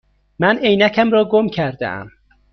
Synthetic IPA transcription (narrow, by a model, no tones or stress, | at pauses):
mænejnæcʰæmɾɒːɡomcʰæɾd̪ḛʔæ̰m